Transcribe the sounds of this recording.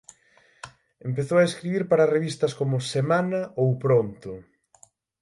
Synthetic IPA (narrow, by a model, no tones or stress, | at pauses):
empeθowaeskɾiβiɾpaɾɐreβist̪ɐskomʊsemanɐowpɾont̪ʊ